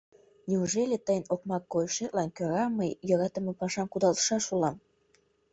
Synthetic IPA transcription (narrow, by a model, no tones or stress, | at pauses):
nʲiuʒelʲet̪əjə̆nok̚mɑkːojʃet̪̚lɑnkøɾɑməjjɤ̆ɾɑt̪ə̆mepɑʃɑmkud̪ɑlˠt̪ə̥ʃɑʃulɑm